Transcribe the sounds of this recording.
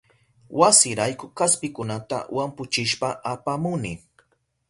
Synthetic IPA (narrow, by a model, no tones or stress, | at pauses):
wasɪɾajkʊkaspɪkʊnat̪a̰wampʊt͡ʃɪʃpaʔapamʊnɪ